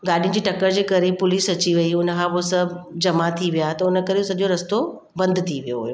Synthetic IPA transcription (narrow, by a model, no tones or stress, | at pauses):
ɡaːɗijʊ̃ñ̆d͡ʑiːʈɐkəɾd͡ʑeːkɐɾepʊliːsɐt͡ɕiʋɐiʊnəkʰãposɐd͡ʑɐmat̪ʰiʋijat̪ɐʊnə̆kɐɾeosɐʄoɾɐst̪o | bɐ̃nd̪t̪ʰiʋijoɦujoː